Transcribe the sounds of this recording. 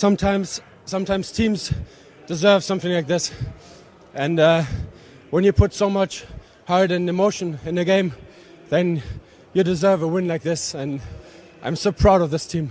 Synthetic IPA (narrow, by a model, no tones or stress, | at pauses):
sʌ̃mtʰãɪ̃mz̥ | sʌ̃mtʰãɪ̃mz̥tʰĩmz̥ | d̥ɨzɜ˞v̥sʌ̃mθɪ̃ŋlaɪk̚ðɪs | ʔɨ̃nʌ | wə̃njɨpʰʊtsoʊmʌt͡ʃ | haɹɾɨ̃nɪmoʊʃə̃nɪ̃nɨɡẽɪ̃m | ðɨ̃n | jɨdɨzɜvəwɪ̃nlaɪk̚ðɪsə̃n | ʔã̰ɪ̃msoʊpʰɹ̥aʊɾʌvðɪstʰĩm